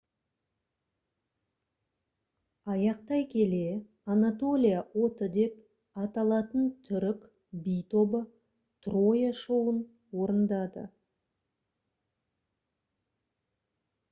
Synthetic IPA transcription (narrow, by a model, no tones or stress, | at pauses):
ɑjɑqt̪ɑjkʲʰe̞le̞ | anat̪o̞lʲijawo̞t̪əd̪e̞p̚ | ɑt̪ɑlˠɑt̪ənt̪ʰʏɾɪk | bijt̪o̞bə | t̪rojaʃuwən | wo̞ɾənd̪ɑd̪ə̰